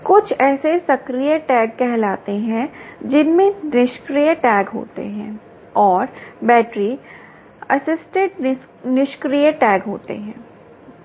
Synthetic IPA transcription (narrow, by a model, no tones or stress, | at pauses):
kʊt͡ʃʰɛːsesɐkɾijəʈɛːɡ̚kɛɦlaːt̪eɦɛ̃d͡ʒɪnmẽnɪʃkɾijəʈɛːɡɦo̰ːt̪ḛɦɛ̰̃ | ɔːɾbɛːʈɾi | ɐsɪsʈẽʈ̚ | nɪʃkɾijəʈɛːɡɦoːt̪ḛɦɛ̃ː